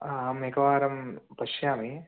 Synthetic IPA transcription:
ameːkɐʋaːɾɐmpɐʃjaːmi

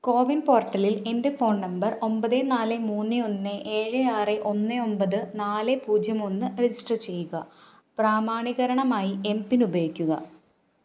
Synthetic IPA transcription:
ko̞ːʋinpo̞ːrʈːɐlile̞nde̞fo̞ːɳnɐmbɐro̞mbɐðenaːlemuːnːeo̞nːeʔeːɻɨaːreʔo̞nːɨo̞mbɐðɨnaːlepuːd͡ʑjɐmonːɨred͡ʑiʂʈrɐt͡ɕe̞jːuɣɐ | praːmaːɳiɣɐɾɐɳɐmaːjie̞mpinubɐjikʲːuɣɐ̰

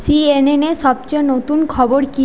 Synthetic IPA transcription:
sieneneʃɔb̚t͡ɕenot̪unkʰɔboɾki

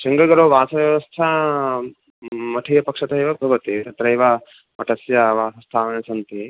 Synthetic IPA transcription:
t͡ʃɐŋɡɐɡɐɾoːʋaːsɐʋjɐʋɐst̪ʰɐ | mɐʈʰɐjɐpɐkʂɐt̪ɐiʋɐbʱɐʋɐt̪it̪ɐt̪ɾɐjʋɐ | mɐʈɐsjɐʋaːsɐst̪ʰaːʋɐnɐt͡ʃɐnt̪i

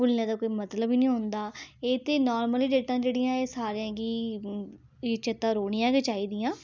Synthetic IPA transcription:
ʊlnjãːd̪aːkoːiːmət̪ləbiːnĩːɦʊnd̪aːeːt̪eːnɔːɾməliːɖeːʈãːd͡ʒeːɽijãːeːsaːɾeãːɡiː | t͡ʃət̪ãːɾoːɽ̃ɪjãːkeːt͡ʃaːiːd̪iːãː

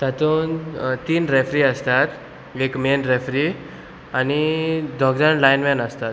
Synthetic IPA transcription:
t̪at̪uːnt̪iːnɾefɾiəst̪at̪ | ekmenɾefɾi | añid̪ʱɔɡd̪anlajnmɛnəst̪at̪

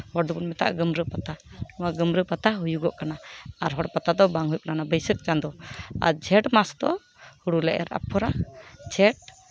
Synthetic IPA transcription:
hɔɽd̪ubunmɛt̪a̰ʔɡəmɾəpat̪aɔwaɡəmɾəpat̪aɦujuɡɔʔkanaaɾɦɔɽpat̪ad̪ɔbaŋɦujp̚nanabəjsək̚t͡ʃand̪ɔa̰ɾd͡ʒʱɛʈmasd̪ɔ̰ | huɽulɛʔɛ̰ɾa̰pʰːɔɾad͡ʒʰʱɛʈ

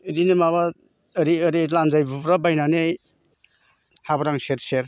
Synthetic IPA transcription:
idinemaβa | əɾiəɾilanzajbubɾabajnanej | habɾaŋseɾseɾ

